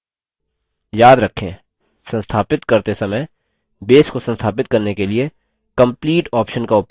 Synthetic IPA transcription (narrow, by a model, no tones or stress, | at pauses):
jaːd̪ɾɐkʰːḛ̃ | sɐ̃nst̪ʰaːpɪt̪kɐɾt̪esɐməj | beːskosə̃nst̪ʰaːpɪt̪̚kɐɾnekelie | kɐ̃mpliːʈɔːpʃənkaʊp